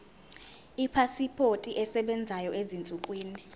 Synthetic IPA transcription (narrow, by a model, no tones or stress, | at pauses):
ipʰasipʰotʼiʔɛsɛɓɛnd͡zʱajɔʔezint͡sʼukʼwiːni